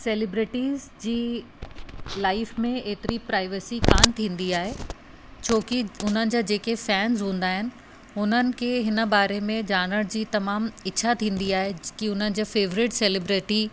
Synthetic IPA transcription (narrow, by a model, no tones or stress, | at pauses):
seːlɪbɾɪʈiːzd͡ʑiː | laːɪfmẽeːt̪ɪɾipɾaːɪʋesikaːnt̪ʰĩːn̆d̪iaːɦe | t͡ɕʰoːkiʊn̤ənɪ̆d͡ʑaːd͡ʑeːkefɛːnzɦũːn̆d̪aːɦɪnɪ̆ | ʊn̤ənɪ̆kʰeːɦɪnə̆baːɾemẽd͡ʑaːɽ̃əɽd͡ʑiːt̪ɐmaːmɪːɕʰat̪ʰĩːnd̪iaːɦekiʊn̤ənɪ̆d͡ʑaːfeːʋɾɪʈseːlɪbɾɪʈi